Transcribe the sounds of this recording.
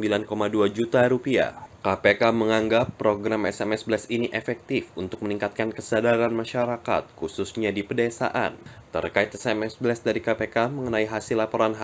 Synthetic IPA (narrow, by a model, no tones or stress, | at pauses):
əmbilankomaduad͡ʒut̪aɾupia̰kapekaməŋaŋɡapːɾoɡɾamɛsɛmɛsbəlasiniʔefɛk̚t̪ifunt̪ʊk̚məniŋkat̪̚kankəsadaɾanmaʃaɾaka̰t̪̚kususɲadipədesa̰ʔa̰nt̪ə̰rkait̪ɛsɛmɛsblɛsdaɾikapekaməŋənaiɦasilapoɾanɦa